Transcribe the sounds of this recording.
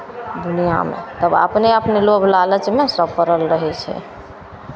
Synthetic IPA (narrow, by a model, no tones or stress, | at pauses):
d̪unija̰mḛt̪əba̰pneəpnelobʱlalət͡ʃmesəbkəɾəlɾəɦɛt͡ʃʰɛ̰